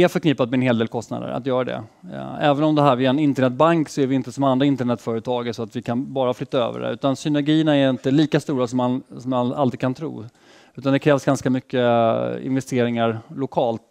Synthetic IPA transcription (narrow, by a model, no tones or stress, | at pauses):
ɛafœɾkʰniːpat̪mɛnɦeːld̪eːlkʰɔst̪na̰ːd̪ə̰ɾa̰t̪jœːɾad̪ɛ̰ɛːvənɔmd̪ɛɦæːɾvɪɛnɪnt̪əɳɛt̪̚baŋksɔæɾvɪɪnt̪əsɔmand̪ɾaɪnt̪əɳɛt̪fœːɾət̪ʰɑːɡɛsɔat̪vɪkʰanbɑːɾaflʏt̪ːaø̰ːvə̰ɖɛ̰ʉ̟ːt̪ansʏnæɾɡiːənaɛɾɪnt̪əliːkast̪uːɾasɔmːansɔmaa̰ld̪ɾɪd̪̚kʰant̪ʰɾṵː | ʉ̟t̪and̪ɛkʰɾɛːvsɡanskamʏkːəɪ̰nvɛst̪eːɾɪŋaɾlʊkʰɑːlt̪